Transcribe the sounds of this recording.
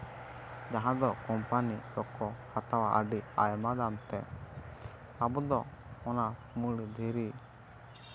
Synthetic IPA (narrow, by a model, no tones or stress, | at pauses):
d͡ʒaɦãd̪ɔkɔmpaniɾɔkɔhat̪awaʔəɖia̰jmad̪amt̪ɛ | abɔd̪ɔ | ɔna | mulid̪ʱeɾi